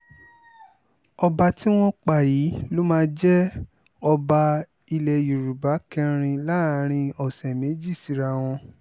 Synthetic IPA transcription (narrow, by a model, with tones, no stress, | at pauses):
ɔ˧ba˧ti˦w̃ɔ̃˦k͡pa˦˨jiː˨˦lo˦mãː˦˧˦d͡ʒɛ˦ | ɔ˧ba˧ | i˧lɛ˨ju˨ɾu˨ba˨˦kɛ˧ɾ̃ĩ˧la˦˧˦ɾ̃ĩ˧ɔ˨sɛ̃˨me˨˦d͡ʒi˦˨si˨˦ɾa˧w̃ɔ̃˧